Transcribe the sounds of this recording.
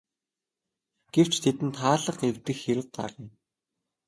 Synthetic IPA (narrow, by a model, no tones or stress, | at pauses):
ɡ̥ew̥t͡ɕt̪ʰet̪ɘ̆nt̪χaːɮə̆χewt̪ɘ̆xxeɾɘ̆w̚ɢ̪a̰rĭ